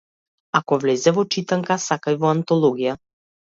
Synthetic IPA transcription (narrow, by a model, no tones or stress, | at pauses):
akɔvlɛzɛvɔt͡ʃit̪aŋkasakajvɔant̪ɔlˠɔɡija